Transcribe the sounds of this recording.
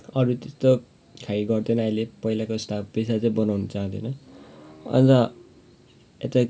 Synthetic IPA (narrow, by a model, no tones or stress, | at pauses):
ʌɾut̪est̪o | kʰaiɡʌrd̪enʌajlepʌijlakosʈ̪ʰab̚pesat͡saĩbʌnawnʌt͡saɦãnt̪ʰenʌ | ʌ̰nt̪ʌ | et̪a